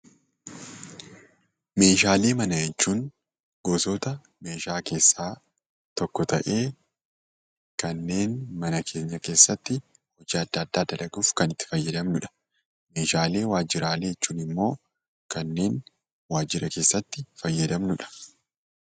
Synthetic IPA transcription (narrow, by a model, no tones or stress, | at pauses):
me̞ːʃaːle̞ːmɐnɐjɛt͡ʃːuːn | ɡoːsoːt̪ɐ | me̞ːʃaːke̞ːsːaː | t̪ɔkːɔt̪ɐ̰ʔe̞ː | kɐnːe̞ːnmɐnɐkʰe̞ːɲːɐke̞ːsːɐt̪ːɪ | hɔd͡ʒiːɐd̪ːɐːd̪ːaːd̪ɐlɐɡʊfkɐnɪt̪ːɪ̥fɐjːɐd̪ɐmnʊᶑɐ̥ | me̞ːʃaːle̞ːwaːd͡ʒːɪɾaːleːɛt͡ʃːuːnɪmːo̞ː | kɐnːe̞ːn | waːd͡ʒːɪɾɐkeːsːɐt̪ːɪfɐjːɐd̪ɐmnʊᶑɐ̥